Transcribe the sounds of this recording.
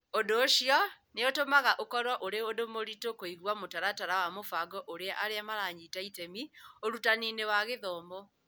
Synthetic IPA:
odoːɕiɔ | neotomaɣaʔokɔɾwɔʔoɾeodomoɾitokoiɣwamotaɾataɾawamofaɡɔʔoɾeaʔaɾeamaɾaɲitaitɛmioɾutaninewaɣeðɔːmbɔ

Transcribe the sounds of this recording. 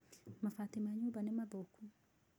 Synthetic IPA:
mafat̪imaɲubanɛmaboku

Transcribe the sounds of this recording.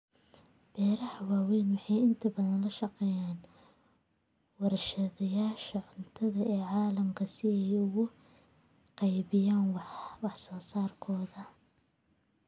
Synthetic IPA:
b̥ɛːɾɐhɐwaːwɛnwɑħɑjɪnt̪ʰɐbɐðɐnlɐʃɑqɛːjaːn | wɑɾɐʃɐðɐjaːʃɐʕʊnt̪ʰɐðɐʔɛːʕɑːlɐmkʰɐsɪɛjʊɣʊ | qɑjβɪjaːnwwɑħsɔːsaːrkʰɔːðɐ

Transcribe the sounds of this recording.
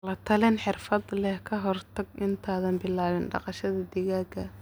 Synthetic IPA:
lɐt̪ʰɐlɛnħɪrfɐd̪lɛhkʰɐɦɔrt̪ʰɐɡɪnt̪ʰaːðɐnbɪlaːβɪnɖɑ̰qɑʃɐðɐd̪ɪɣaːɡɐ

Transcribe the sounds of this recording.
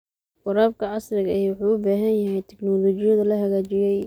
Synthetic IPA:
xʊɾaːb̚kʰɐʕɑsɾɪɣɐʔɛjwʊħuːʊbaːɦɐnjɐɦɛjt̪ʰɪknɔːlɔːt͡ʃɪjɐðɐlɐɦɐɣaːt͡ʃɪjɛj

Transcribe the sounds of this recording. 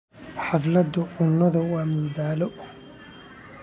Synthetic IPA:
ħɑflɐd̪ʊʕʊnːɔðɐwaːmuːd̪aːlɔ

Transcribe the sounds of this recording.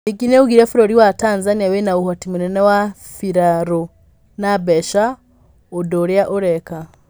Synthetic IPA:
iɡineuɡiɾefiɾoɾiwataːnzaniawenauhatimunenewa | fiɾaɾo | nabeʃa | odoɾjaʔoɾeka

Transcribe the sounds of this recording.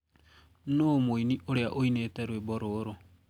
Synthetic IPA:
nomoiniʔoɾeaʔoineːtɛɾweboɾoɾo

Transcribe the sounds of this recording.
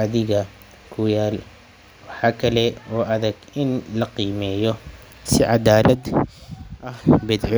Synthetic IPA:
ɑðɪɣɐ | kʰʊjaːl | wɑħɑːkʰɐlɛɔːʔɐðɛɡɪnlɐqiːmɛːjɔ | sɪʕɑðaːlɐd̪ | ʔɐhbɛd̪ʕ

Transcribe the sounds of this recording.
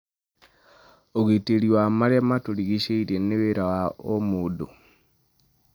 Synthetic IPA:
oɣiteliwamalematoliɣiʃeiɾeneβeɾawaomudo

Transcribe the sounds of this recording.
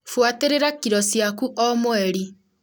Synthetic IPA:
fwateɾeɾakiɾɔsjakuʔɔmwɛɾi

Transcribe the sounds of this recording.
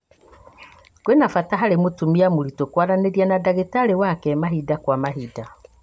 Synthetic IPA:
kwenafataɦaɾemotumiamoɾitokwaɾaneɾianadaɣetaɾewakɛmaɦidakwamaɦida

